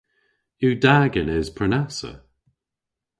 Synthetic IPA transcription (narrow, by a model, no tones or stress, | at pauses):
ʉːdaːɡɪnɪz̥pʰɹ̥ənasə̰